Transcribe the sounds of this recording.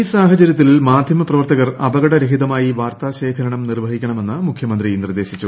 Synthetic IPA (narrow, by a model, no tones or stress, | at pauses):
isaːɦɐt͡ɕɐɾjɐt̪̬ːilmaːd̪ʱjɐmɐprɐʋɐrt̪ɐɣɐrɐbɐɣɐɽɐɾɐɦid̪ɐmaːjiʋaːrt̪aːɕeːkʰɐɾɐɳɐmnirʋɐɦikʲːɐɳɐme̞nːɨmukʰjɐmɐnd̪rijnird̪e̞ːɕit͡ɕːu